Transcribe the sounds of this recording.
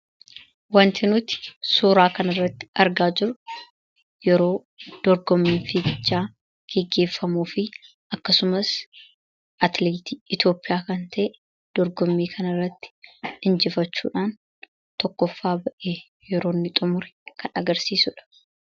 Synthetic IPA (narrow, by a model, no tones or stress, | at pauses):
wɐnt̪ɪnʊt̪ɪ̥suːɾaːkɐnɐrːɐt̪ːɪ̥ɐɾɡaːd͡ʒɪɾʊ | jɛɾo̞ː | d̪̥ɔɾɡɔmːiːnfiːɡɪd͡ʒːaː | ɡ̥ɛɡːe̞ːfːɐmuːfɪ | ɐkːɐsʊmɐs | ʔɐt̪leːt̪iːʔɪt̪o̞ːpʼːɪjaːkɐnt̪ʰɐʔe | d̪̥ɔɾɡɔmːiːkʰɐnɐrːɐt̪ːɪ̥ɪnd͡ʒɪfɐt͡ʃːṵːᶑaːn | t̪ɔkːɔfːaːbɐʔeː | jɛɾo̞ːnːɪt̪ʼʊmʊɾɛ̥kʰɐnɐɡɐɾsiːsʊᶑɐ̥